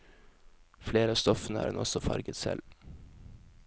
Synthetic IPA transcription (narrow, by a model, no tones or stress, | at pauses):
fleːɾəɑːst̪ɔfən̩əæ̰ːɾdɛ̰nʔɔsɔfɑɾɡət̪sɛl